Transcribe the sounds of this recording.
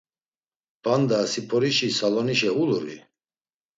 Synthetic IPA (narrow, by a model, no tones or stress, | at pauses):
band̪aːsipʰɔɾiʃisalɔniʃɛuluɾḭ